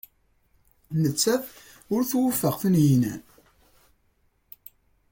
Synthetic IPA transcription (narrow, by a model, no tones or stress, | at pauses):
nət͡sːæθ | ʊɾθwəfːəʁθənjinæ̰n